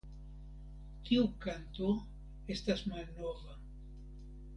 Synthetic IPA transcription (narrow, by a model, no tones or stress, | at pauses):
t̪iwkant̪o | est̪asmanoβa